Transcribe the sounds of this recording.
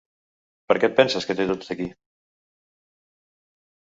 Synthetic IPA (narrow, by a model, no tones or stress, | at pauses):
pəɾkɛt̪̚pɛnsəskət̪et̪od̪əki